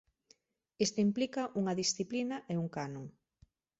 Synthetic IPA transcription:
est̪oimplikɐʔuŋɐðisθiplinɐʔeuŋkanõŋ

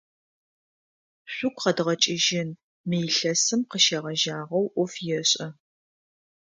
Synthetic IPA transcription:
ɕʷʊkʷʰʼqɐdʁɐt͡ʃʼɪʒɪn | mejɬɐsɨmqəʃɐʁɐʒaːʁɐwʔʷʊfjɛɕʼɐ

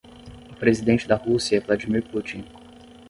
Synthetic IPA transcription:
ʊpɾezid̪ẽnt͡ʃɪd̪ɐhusijɐɛvlad͡ʒimiɾput͡ʃĩŋ

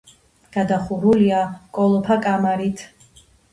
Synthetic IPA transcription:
ɡ̥ad̪aχuɾuliakʼɔlˠɔpʰakʼamaɾit̪ʰ

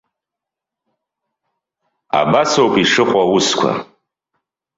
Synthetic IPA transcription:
a̰basowpʼiʂɨqʷʼawʊskʷʰa̰

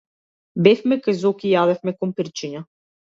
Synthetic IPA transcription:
bɛfmɛkajzɔkijad̪ɛfmɛkɔnpiɾt͡ʃiɲa

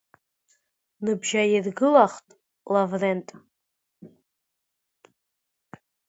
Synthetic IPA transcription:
nɨbʒajirɡɨlaχtʼ | lavrentʼ

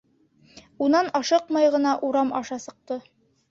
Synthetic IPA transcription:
unɑnɑʃɤqmɑjʁɤ̆nɑʔuɾɑmɑʃɑsɤ̆q̚t̪ɤ

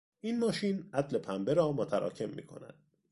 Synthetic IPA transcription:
ʔiːnmɒːʃiːnʔæd̪le̞pʰæmbe̞ɾɒːmot̪ʰæɾɒ̰ːcʰe̞mːḭːkʰo̞̰næ̰d̪̥

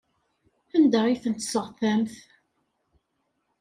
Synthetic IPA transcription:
θænd̪æʁiθənt̪ːə̥səʁθæmθ

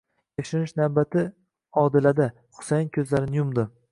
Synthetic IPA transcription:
ekʲʃɪnɪʃnawbat̪ʰɪ | ɒd̪ɪlad̪a | χʊ̥sajɪnkʲʰɵzlaɾɪnɪjʊmd̪ʊ

